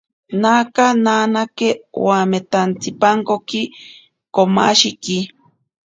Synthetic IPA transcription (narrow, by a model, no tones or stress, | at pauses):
naːkanaːnakewaːmet̪ant͡sipaŋkoki | koma̰ʃiki